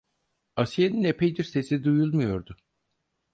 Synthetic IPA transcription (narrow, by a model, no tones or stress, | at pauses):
asjeninepʰejd̪iɾse̞sid̪ujulˠmujo̞ɾd̪ʊ